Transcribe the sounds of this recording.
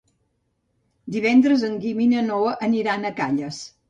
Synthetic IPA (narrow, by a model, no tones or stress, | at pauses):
d̪iβ̞ɛnd̪ɾəzəŋɡiminənoʔəniɾanəkaʎəs